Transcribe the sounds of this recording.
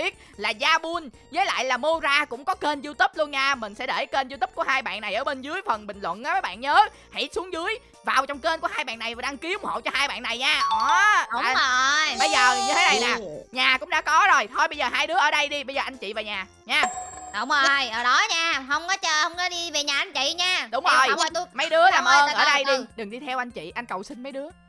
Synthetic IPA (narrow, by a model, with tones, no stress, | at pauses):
ɓi˦˥ət̚laː˨˩zaː˧ɓu˧n | zəː˨˦jla̰ː˧˨jlaː˨˩mo˧zaː˧kʊ̰˧˥ŋ͡mkɔ˨˦ke˧nzu˧t̪ə˦˥p̚lu˧ənɲaː˧mï˨˩ŋ̟sɛ̰˧˥ɗe˧˩ke˧nzu˧t̪ə˦˥p̚ku˧˩əhaː˧jɓa̰ː˧˨nːa˨˩jʔəː˧˩ɓe˧nzɨ˨˦əjfə˨˩nɓï˨˩ŋ̟lwə̰˧˨nʔaː˨˦vəː˨˦jɓa̰ː˧˨nɲəː˨˦ | hḭ˧˥su˨˦əŋzɨ˨˦əj | vaː˨˩wt͡ɕɔ˧wŋ͡mke˧nku˧˩haː˧jɓa̰ː˧˨nːa˨˩jva˨˩ɗa˧ŋki˨˦ʊ˧ŋ͡mho̰˧˨wt͡ɕɔ˧haː˧jɓa̰ː˧˨nːa˨˩jɲaː˧ʔŋ͡mə˨˩jɓə˧jzəː˨˩ɲɨ˧t̪ʰe˨˦ɗə˨jnaː˨˩ɲaː˨˩kʊ̰˧˥ŋ͡mɗa̰˧˥kɔ˨˦zo˨˩jt̪ʰo˧jɓə˧jzəː˨˩ɦaː˧jɗɨ˨˦əʔəː˧˩ɗə˧jɗi˧ɓə˧jzəː˨˩ʔa˧ŋ̟t͡ɕḭ˧˨vaː˨˩wɲaː˨˩ | ɲaː˧ʔo˨˧˩wŋ͡mə˨˩jʔəː˨˩ɗɔ˨˦ɲaː˧hə˧wŋ͡mkɔ˨˦t͡ɕəː˧hə˧wŋ͡mkɔ˨˦ɗi˧ve˨˩ɲaː˨˩ʔa˧nt͡ɕḭ˧˨ɲaː˧ɗʊ˨˦ŋ͡mzo˨˩jwmə˨˦jɗɨ˨˦əlaː˨˩mʔəː˧ʔəː˧˩ɗə˧jɗɨ˨˩ŋɗɨ˨˩ŋɗi˧t̪ʰɛ˧wʔa˧ŋ̟t͡ɕḭ˧˨ʔa˧jn̟kə˨˩wsï˧ŋ̟mə˨˦jɗɨ˨˦ə